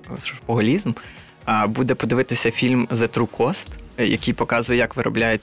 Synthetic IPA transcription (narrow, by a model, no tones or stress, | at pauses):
spɔɦɔlʲizm | bud̪ɛpɔd̪ɪʋɪt̪ɪsʲɐfʲilʲmzet̪ɾukʰɔst̪jɐ̰kʲijpɔkɑzʊjɛjɐkʋɪɾɔ̰blʲajet͡sʲ